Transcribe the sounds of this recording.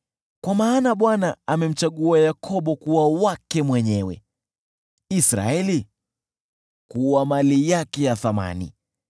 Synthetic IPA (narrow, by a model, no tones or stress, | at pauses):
kwamaːnaɓwanaːmɛm̩t͡ʃaɠuajakʰɔɓɔkuwawakɛmwɛɲɛwɛ̰ | isɾa̰ɛli | kuwamalijakɛjaθama̰nḭ